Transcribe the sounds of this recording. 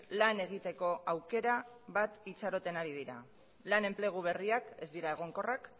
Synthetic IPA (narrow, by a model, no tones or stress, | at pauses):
lane̞ɣ̞it̪e̞ko̞ʔawke̞ɾa | βat̪it͡saɾo̞t̪e̞naɾið̞iɾa̰ | lane̞mple̞ɣ̞uβ̞e̞riake̞zd̪iɾae̞ɣ̞o̞ŋko̞rak